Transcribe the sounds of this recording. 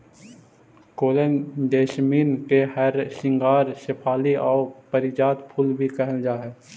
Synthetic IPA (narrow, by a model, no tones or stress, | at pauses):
koːlənd̪eːʃmiːnkehɐɾʃɪ̃ŋɡaːɾsɪpʰaːliʔɔːpəɾɪd͡ʒaːt̪pʰʊlbʱikɛɦəld͡ʒaːɦɛː